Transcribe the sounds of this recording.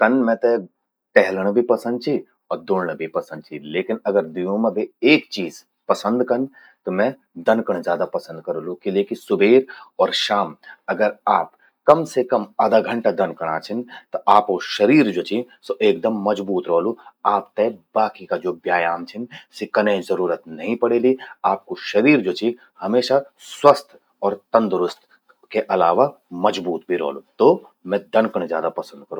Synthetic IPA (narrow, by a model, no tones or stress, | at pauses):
t̪ɐnmɛ̃t̪e | ʈɛɦləɽ̃bʱipɐsə̃nd̪̚t͡ʃʰi | ɔːɾd̪oːɽɽ̃əbʱipɐsə̃nd̪̚t͡ʃʰileːkɪnɐɡəɾd̪ijõmẽbʱieːkt͡ʃiːz | pɐsə̃nd̪kɐn | t̪omɛ̃ | d̪ɐnkəɽ̃zjaːd̪apɐsə̃nd̪̚kɐɾolukɪlekisʊbʱeːɾɔːɾʃaːmɐɡəɾaːp | kɐmsekɐmaːd̪aɡʱɐ̃ɳʈad̪ɐnkəɽ̃aːt͡ʃʰɪnt̪oʔaːpkoʃɐɾiːɾd͡ʒoːt͡ʃʰi | soʔeːk̚d̪əmːɐd͡ʒbuːt̪ɾoːluaːpt̪ebaːkikad͡ʒoːbjaːjaːmt͡ʃʰɪnsikɐnẽzɐɾuːɾət̪nɐɦĩpɐɽeːliaːp̚koʃɐɾiːɾd͡ʒoːt͡ʃʰi | hɐmeːʃa | swɐst̪ʰ | ɔːɾt̪ɐ̃nd̪ɾʊst̪ʰ | keʔɐlaːʋamɐd͡ʒbuːt̪bʱiɾɔ̰ːlut̪o | mɛ̃d̪ɐnkəɽ̃zjaːd̪apɐsə̃nd̪̚kɐɾũː